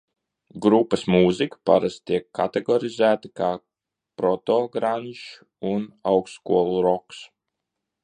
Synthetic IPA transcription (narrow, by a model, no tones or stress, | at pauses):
ɡɾupːɐsmuːzikḁpaɾast̪iɛkːat̪ɛɡɔɾizæːt̪akaː | pɾɔt̪ɔɡɾaːniʃ | unawkskuɔlˠuɾɔks